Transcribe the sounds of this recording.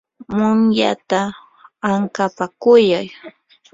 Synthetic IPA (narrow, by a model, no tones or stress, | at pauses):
mʊŋja̰t̪a | aŋkapakʊjaj